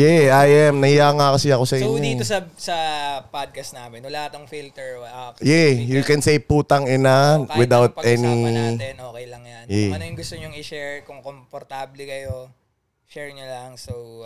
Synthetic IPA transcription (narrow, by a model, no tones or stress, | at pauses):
jɛʔajɛmnɐhɪjaŋakɐsɪɐko̞sɐʔɪɲːod̪it̪osɐsɐpad̪̚kɐst̪naːmɛnʊlahat̪ɐŋfilt̪ɛɹjɛjukɛnsejpuːt̪ɐŋɪnawɪd̪awt̪̚ʔɛninoːkɛjlɐŋjanjɛɐnojʊŋɡʊst̪oɲʊŋɪʃɛɹkoŋkompoɾt̪ablɛkɐjo | ʃɛɹɲolɐŋso